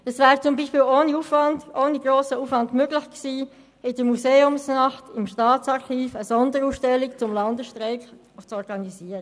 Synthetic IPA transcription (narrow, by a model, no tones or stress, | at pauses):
əsvæːʁt͡sʊmbiːʃpiːloːniuːfvɑndʔoːniɡɾoːsəuːfʋɑndmøɡlɪxksiː | ɪd̥əmuseːʊmsnɑχtɪmʃtɑːt͡sɑɾχiːfəsɔndəɾuːsʃtɛlikt͡sʊmlɑndəʃtʁeɪk | ɔt͡sɔɾɡ̥ɑniziːəɾə